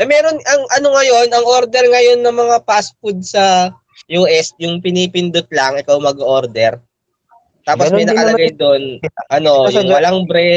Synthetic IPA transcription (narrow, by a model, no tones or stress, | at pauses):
ʔɛmɛːɾo̞nɐŋʔɐno̞ŋɐjo̞nɐŋʔoɾd̪ɛɾŋɐjo̞nːɐŋmɐŋapaspʊd̪̚sɐ | juːʔɛs̚jʊŋpɪnipɪnd̪ʊt̪̚lɐŋɪkawmɐɡʔoɾd̪ɛɾ | t̪aːpossɐjnɐkɐlɐɡɐjd̪onʔɐno̞jwɐlaŋbɾɛ